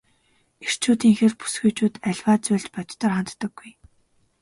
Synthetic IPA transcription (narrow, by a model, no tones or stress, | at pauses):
er̥t͡ɕʰuːt̪iːŋxerpu̥sɡujt͡ɕuːt̪æɮʲwaːt͡sʊɮt͡ɕpɔt̪t̪ə̆rχant̪ːɞ̆ɡ̥ːuj